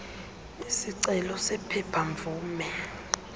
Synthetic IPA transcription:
isiǀɛlɔsɛpʰɛpʰaɱvuːmɛ

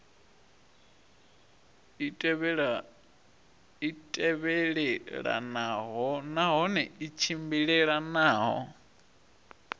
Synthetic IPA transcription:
itʼɛβɛɺɛɺa̰naɦɔnaɦɔnɛit͡ʃʰimbiɺɛɺanaːɦɔ̰

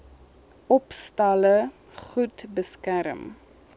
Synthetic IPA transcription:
ʔɔpstɐlə | χutbəskæɾəm

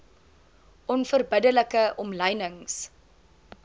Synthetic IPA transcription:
ʔɔnfərbədələkəʔɔmləjnəŋs

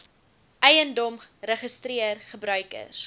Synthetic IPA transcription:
ʔɛjəndɔmrəχəstriərχəbɾœɥkə̰s

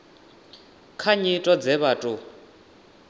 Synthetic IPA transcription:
kʰaɲitʼɔd͡zɛβaːtʼu

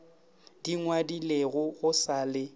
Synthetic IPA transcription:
d̥iŋwadileɣʊɣʊsaːlɪ

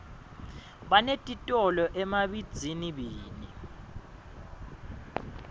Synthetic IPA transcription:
ɓanetʼitʼɔlɔʔɛmaɓid̥d͡z̥ʱiniɓiːni

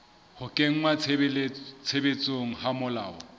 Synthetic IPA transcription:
hʊkʼeŋ̩ŋwalt͡sʰebet͡sʼoŋ̩hamʊlaːɔ̰

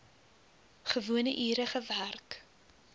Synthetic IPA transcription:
χəvuənəʔiːɾəχəværk

